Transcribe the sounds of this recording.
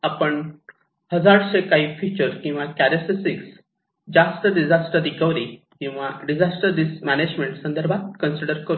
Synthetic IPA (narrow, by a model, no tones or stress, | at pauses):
apəɳ | həd͡zaɽɕekaɦiːfit͡ɕəɾkĩw̃ʋakæɾesesiks | d͡ʑast̪əɖid͡zasʈəd̪iɡəʋɾi | kĩw̃ʋaɖid͡zasʈəɾd̪ismæned͡ʑmeɳʈsənd̪əɾbʱat̪̚kənsiɖəɾkəɾu